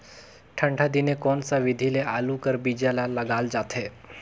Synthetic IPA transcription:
ʈʰəɳɖʰʱad̪inekɔnsaʋid̪ʱilealukəɾbid͡ʒjalaləɡald͡ʒat̪ʰe

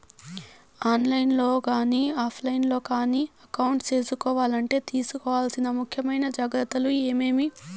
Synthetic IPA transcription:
aːnlɐjnlo̞ːkaːniːaːpʰlɐjnlo̞ːkaːniːɐkɐwuɳʈt͡ʃe̞ːsukɔːʋaːlɐɳʈe̞ːt̪iːsukɔːʋaːlsinɐmukʰjɐmɐjnɐd͡ʒaːɡɾɐt̪ːɐlue̞ːme̞ːmi

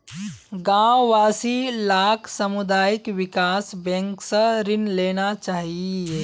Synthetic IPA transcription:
ɡãːwʋaːsilaːkʰsɐmʊd̪aːjɪkʋɪkaːsbɛ̃ŋksɐɾɪnleːnat͡ʃaːɦieː

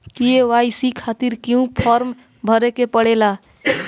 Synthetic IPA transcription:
kieʋajsikʰat̪iɾkiũpʰɔɾm | bʱəɾekepəɽela

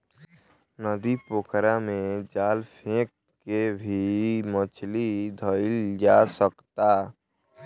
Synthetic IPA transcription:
nəd̪ipokʰɾamẽd͡ʒaːlpʰẽk | kebʱimət͡ʃʰlid̪ʱəld͡ʒaːsəkt̪aː

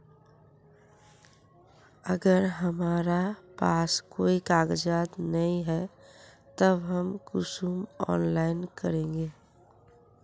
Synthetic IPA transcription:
əɡəɾɦəmaːɾapaːskoːikaːɡəd͡ʒaːt̪nəĩɦɛ | t̪əbɦəmkʊsumɔ̰ːnlaːɪnkəɾẽːŋɡeː

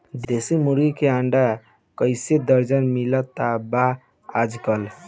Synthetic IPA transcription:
d̪esimuɾikeaɳɖa | kəɪsed̪əɾd͡ʒənmilət̪aba | ad͡ʒɡəl

